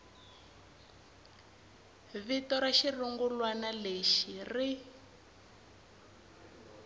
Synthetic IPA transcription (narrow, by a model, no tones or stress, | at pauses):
βitɔɾaʃiruŋɡulwanaleʃiri